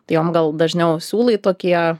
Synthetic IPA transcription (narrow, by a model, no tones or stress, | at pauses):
t̪ɐɪjoːmɡɐlˠd̪ɐʒʲnʲɛʊsʲuːlˠɐɪt̪oːkʲiɛ